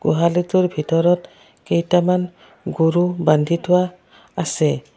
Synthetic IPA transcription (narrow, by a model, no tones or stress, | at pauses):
ɡ̥uɦalituɹbʱitɔɾɔt | kejtaman | ɡuɾuband̪ʱitʰʊwaː | sɛ